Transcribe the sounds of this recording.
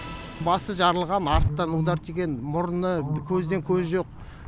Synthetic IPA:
bɑsəʒɑɾəlˠʁɑnɑɾt̪ːɑnud̪ɑɾt̪ʰeɡʲe̞nmʊɾnəkʲʰɵzd̪e̞ŋkʲʰɵzʒo̞q̚

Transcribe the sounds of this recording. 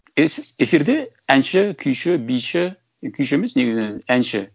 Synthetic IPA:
eefiɾd̪e | ænʃɪkʲʰʏjʃɪbijʃɪ | kʲʰyjʃemɪzneɡʲɪznenænʃɪ

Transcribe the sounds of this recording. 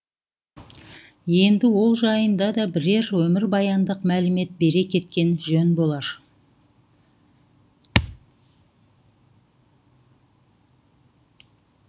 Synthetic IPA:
je̞nd̪ɪwo̞lˠʒɑjənd̪ɑd̪ɑbɪɾe̞ɾwɵmɪɾbɑjɑnd̪əqmælɪme̞t̪̚be̞ɾe̞kʲʰe̞t̪kʲe̞nʒɵnbo̞lˠɑɾ

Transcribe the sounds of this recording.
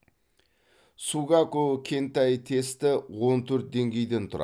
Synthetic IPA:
suɡɑkokʲʰe̞nt̪ɑjt̪ʰe̞st̪ɪwo̞nt̪ʰɵɾt̪̚d̪e̞ŋɡʲe̞jd̪e̞nt̪ʰʊɾɑ̰

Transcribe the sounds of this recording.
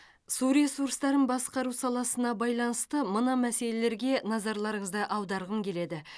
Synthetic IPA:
suɾesuɾst̪ɑɾənbɑsqɑɾusɑlˠɑsənɑbɑjlˠɑnəst̪əmənɑmæse̞le̞le̞ɾɡʲe̞nɑzɑɾlˠɑɾəɴəzd̪əʔɑwd̪ɑɾʁəmkʲʰe̞le̞d̪ɪ

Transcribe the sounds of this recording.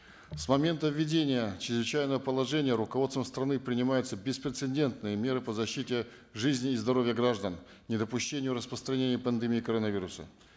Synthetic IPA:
smɐmʲe̞nt̪əvʲːɪdʲenʲɪjət͡ɕɪɾɪzvɪt͡ɕæjnəvəpəlˠɐʐɛnʲɪjəɾʊkɐvot̪vəmst̪ɾɐnɨpɾʲɪnʲɪmajʊt̪səbʲɪspɾʲɪt̪sɨnʲdʲe̞nt̪nɨjəmʲe̞ɾɨpəzɐɕːitʲɪ | ʐɨzʲnʲɪːzd̪ɐɾo̞vʲjəɡraʐd̪ən | nʲɪd̪əpʊɕːenʲɪjʊɾəspɾəst̪ɾɐnʲenʲɪjəpənd̪ɨmʲiːkɐɾonɐvʲiɾʊsə̰

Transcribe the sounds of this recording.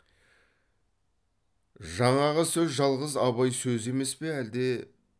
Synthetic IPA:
ʒɑɴɑʁəsɵzʒɑlˠʁəzɑβɑjsɵze̞me̞spe̞æld̪e̞

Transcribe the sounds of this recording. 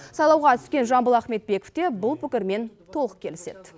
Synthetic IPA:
sɑjlˠɑwʁɑt̪ʰʏ̥skʲe̞nʒɑmbəlˠæχme̞t̪̚be̞koft̪e̞bʊlˠpʰʏkʲɪɾme̞nt̪ʰo̞lˠəq̚kʲʰe̞lɪse̞d̪̥

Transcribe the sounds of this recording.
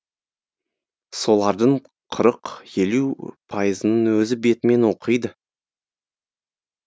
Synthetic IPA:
so̞lˠɑɾd̪əɴ | qʰəɾəqje̞lupʰɑjəzənənwɵzɪbe̞t̪ɪme̞nwo̞qʰəjd̪ə

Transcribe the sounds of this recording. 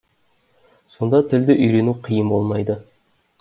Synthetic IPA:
so̞nd̪ɑt̪ʰɪld̪ɪʔʏjɾe̞nuqʰijəmbo̞lˠmɑjd̪ə

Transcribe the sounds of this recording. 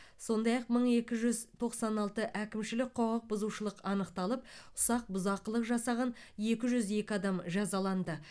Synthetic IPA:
so̞nd̪ɑjɑq̚məɴe̞kʲɪʒʏzt̪ʰo̞qsɑnɑlˠt̪əʔækʲɪmʃɪlɪk̚ʲqʰoʁəq̚bʊzuʃəlˠəqɑnəqt̪ɑlˠəp̚ʊ̥sɑq̚bʊzɑqːəlˠəqʒɑsɑʁɑnje̞kʲɪʒʏze̞kʲɪɑd̪ɑmʒɑzɑlˠɑnd̪ə

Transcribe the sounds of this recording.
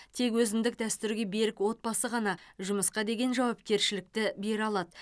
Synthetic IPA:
t̪ʰe̞kwɵzɪmd̪ɪk̚d̪æst̪ʏɾɡʲe̞be̞ɾɪkwo̞t̪̚bɑsəʁɑnɑʒʊməsqɑd̪e̞ɡʲe̞nʒɑwɑp̚kʲe̞ɾʃɪlɪk̚t̪ɪbe̞ɾɑlˠɑd̪ə

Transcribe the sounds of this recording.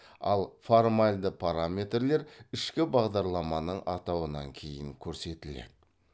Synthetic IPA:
ɑ̰lˠfoɾmalʲd̪əpʰaɾamʲe̞t̪rle̞ɾɪʃkʲɪbɑʁd̪ɑɾlˠɑmɑnəɴʔɑt̪ɑwənɑŋkʲʰe̞jɪŋkʲʰɵɾse̞t̪ɪlḛd̪ɪ

